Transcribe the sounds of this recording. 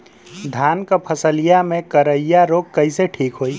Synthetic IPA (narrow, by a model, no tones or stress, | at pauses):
d̪ʱankəpʰəsəlijamekəɾəijaɾoɡ̚kəɪseʈʰikɦoj